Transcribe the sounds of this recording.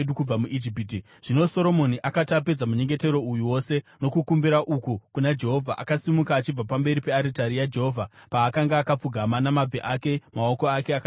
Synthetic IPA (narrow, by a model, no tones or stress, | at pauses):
ɗukub͡vamuʔid͡ʒipiːti | ʐ̥ino̞so̞ɾo̞mo̞niʔakatape̞d͡zamuɲe̞ŋɡe̞te̞ɾo̞ujuwo̞se̞no̞kukumbiɾaʔukukunad͡ʒe̞ɦo̞vʱaʔa̰kasimukaːt͡ʃib͡vapambe̞ɾipe̞aɾitaɾijad͡ʒe̞ɦo̞ːvʱapaːkaŋɡaːkap͡fuɡʱamanamab͡vʱeʔake̞mao̞ko̞ake̞aka